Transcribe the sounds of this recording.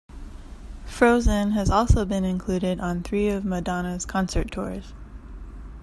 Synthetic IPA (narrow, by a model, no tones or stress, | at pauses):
fɹoʊzɨ̃nɨzɔlˠsoʊbɨ̃nɨ̃nkʰl̥ʉɾɪɾn̩θɹiʌvmədɑnɨz̥kʰɑ̃nsə˞tʰɔ̰ɹz̥